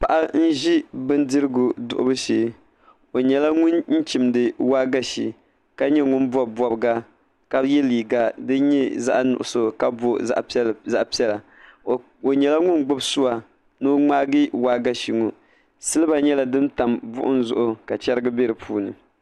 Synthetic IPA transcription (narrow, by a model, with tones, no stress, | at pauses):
pa˨ʔa˦n̩˦ʒi˦bɨ˦ndɨ˦ɾɨ˦ɡʊ˨dʊ̰˨ʔʊ̰˦bɨ˦ʃeː˦ | o˨ɲɛ˨la˦ŋʊ˦nn̩˦t͡ʃi˨mdɨ˨waː˦ɡa˦ʃi˨ | ka˦ɲɛ˦ŋʊ˦nbɔ˦bɔ˨bɡa˦ | ka˦jɛ˦liː˨ɡa˦dɨ˦ɲɛ˦za̰˦ʔnʊ̰˨ʔʊ̰˨so˨ka˦bo˨˦ʔza˦ʔpi˦ɛ˦la˨ | o˨ɲɛ˨la˦ŋʊ˦nɡ͡bʊ˦bsʊ˦wa˨ | nɨ˦ŋ͡maː˦ɡi˦waː˦ɡa˦ʃi˨ŋo˨ | sɨ˦lɨ˦ba˨ɲɛ˦la˨dɨ˦mta˨mbʊ˦ʔʊ˦n˦zʊ̰˦ʔʊ˨ka˨t͡ʃɛ˦ɾɨ˦ɡɨ˦bɛ˦ɾɨ˨pʰuː˦nɨ˨